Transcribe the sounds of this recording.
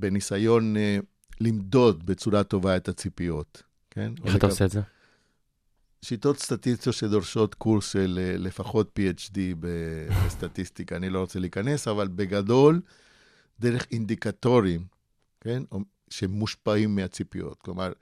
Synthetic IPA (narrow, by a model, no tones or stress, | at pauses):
be̞nisajo̞n | limd̪o̞d̪bet͡suɾat̪o̞vaet̪at͡sipio̞t̪ | kḛnot̪aseːze | ʃit̪o̞t̪st̪at̪ist̪iotʃed̪o̞ʁʃo̞t̪kuɾsʃellefaχo̞t̪̚piet͡ʃdibebest̪at̪ist̪ikaːnilo̞ʁot͡seliːkane̞savalbeɡado̞l | d̪eʁeχind̪ikat̪o̞ʁim | ke̞no | ʃemːuʃpaimːeat͡sipijo̰tklomaʁ